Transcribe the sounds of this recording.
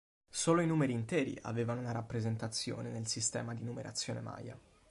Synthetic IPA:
soːloinuːmeɾiːnt̪ɛːɾḭʔa̰veːvanounaɾapːɾezent̪at̪sːjo̰ːnenelsist̪ɛ̰ːmad̪inumeɾʔa̰t̪sːjoːnḛma̰ːja̰

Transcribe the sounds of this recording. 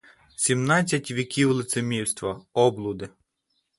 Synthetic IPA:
sʲimnɑt͡sʲːɐtʲʋʲikʲiwlˠɪt̪semʲiwst̪ʋɐɔblˠʊd̪ɪ

